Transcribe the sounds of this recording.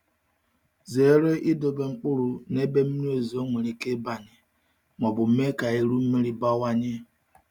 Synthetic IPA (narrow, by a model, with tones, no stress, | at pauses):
ze˨˦ɾe˦ʔɪ˦dʊ˨be˨ŋ͡m̩˦k͡pʊ˦ɾʊ˨ne˦be˦m̩˦n˦o˨zi˨o˦ŋʷe˨ɾi˨ke˦ba˨ɲɪ˨ | mɔ˨bʊ˨m̩˦me˦ka˨e˨ɾu˦m̩˦me˦ɾi˦ba˦wa˦ɲɪ˦